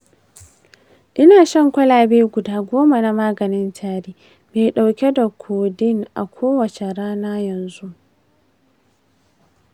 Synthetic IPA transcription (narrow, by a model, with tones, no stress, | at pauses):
ʔɪ˦naː˨ʃɐ˦ŋkʷɐ˦laː˨beː˦ɡʷʊ˨daː˦ɡʷoː˦ma˨na˦maː˦ɡɐ˨nɪ˦ntʰaː˦ɽiː˦ | beː˨ɗa˨wkʲɛ˦da˨kʷʰoː˨dɪ˦ŋʔa̰˨kʷʰoː˦wɐ˨t͡ʃe˨ɾaː˦naː˦jɐ˨nzu˦ʔ